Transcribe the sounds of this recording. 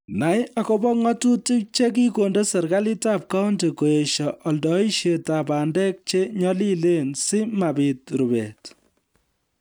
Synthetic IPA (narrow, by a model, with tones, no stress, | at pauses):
na˨˦ja˦kɔ˦bɔ˦ŋɔ˦tu˦ti˦k̚t͡ʃe˦k̬i˦ko˨nde˦sɛ˨ɾka˦li˦ta˦p̚ka˦wnti˨ko˨e˨ʃɔʔɔ˨ldɔ˨i˦ʃe˨ta˨pa˨ndɛ˦k̚t͡ʃe˦ɲɔ˦li˦le˦nsɪ˦ma˨bi˨t̚ɾu˨bḛ˨t